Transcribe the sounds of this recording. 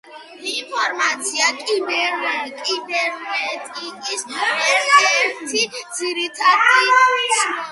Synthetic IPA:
inpʰɔɾmat̪sʰiakʼibɛɾnɛkʼibɛɾwɛt̪ʼikʼisɛɾɛɾt̪ʰiz̥iɾit̪ʼʰad̪is

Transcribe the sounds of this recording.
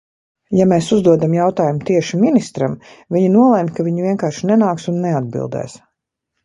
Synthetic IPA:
jameːsuzd̪uɔd̪amjawt̪aːjumut̪iɛʃiminist̪ɾam | viɲinuɔlˠɛmʲkaviɲviɛŋkaːɾʃinɛnaːksunːɛad̪̚bḭlˠd̪ɛ̰ːs

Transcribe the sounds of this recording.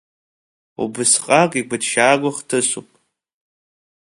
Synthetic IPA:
ṵbɨsqʼakʼiɡʷatʃaːɡʷaχtʰɨsʷupʼ

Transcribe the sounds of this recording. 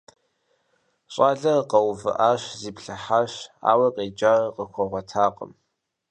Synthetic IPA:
ɕʼaːɮɐqɐwvɨ̰ʔaːɕziːpɬɐħaːɕa̰ːwɐqʼeːd͡ʒaːrqəxʷɔʁʷɔtʰaːqʼə̰m

